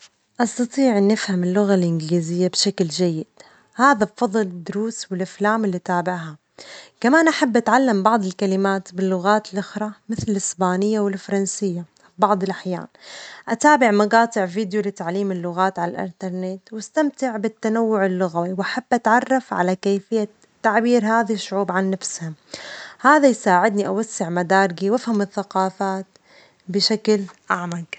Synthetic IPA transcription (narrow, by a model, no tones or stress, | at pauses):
ʔɑst̪ɑt̪ˤiːʕnːɪfhamɪlːʊɣalʔɪnɡliːzɪjːabʃakld͡ʒajːɪd̪̥ | haːðabfɑðˤɨlɪd̪ːʊɾuːswɪlʔaflaːmɪlːit̪aːbɪʕɦa | kamaːnʔaħabːʔat̪ʕalːambɑʕd̪ˤɪlkalɪmaːt̪bɪlːʊɣaːt̪ɪlʔʊxɾˤɑmɪθlɪlɪsbaːnɪjːawɪlfɑɾˤɑnsɪjːa | bɑʕd̪ˤɪlʔaħja̰ːnʔat̪aːbɪʕmɑɡɑːt̪ˤɪʕviːd̪jolɪt̪aʕliːmɪlːʊɣaːt̪ʕalalʔɪ̰nt̪ɑɾˤnet̪wast̪amt̪ɪʕbɪt̪ːanawːʊʕɪlːʊɣawiwʔaħabːʔat̪ʕɑrˤːɑfʕa̰lakeːjfɪjːa | t̪ːaʕbiːɾɦaːðaʃːʊʕuːbʕanːafshamhaːðajsaːʕɪd̪niʔawasːɪʕmad̪aːɾˤɪɡiwʔafhamɪθːaqɑːfaːt̪ | bɪʃaklʔaʕmaɡ